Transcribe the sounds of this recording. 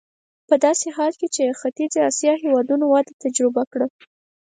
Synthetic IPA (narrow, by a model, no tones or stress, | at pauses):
pəd̪ɑseɦɑlket͡ʃexat̪id͡ziɑsjɑɦewɑd̪unowɑd̪et̪ad͡ʒɾɪbakɽə